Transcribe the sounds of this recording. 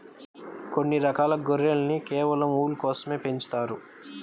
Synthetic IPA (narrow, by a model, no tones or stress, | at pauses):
konːiɾɐkaːlɐɡoɾelɐnikɛːʋɐlɐmuːlkɔːsɐme̞ːpe̞ɲt͡ʃu̥t̪aːɾu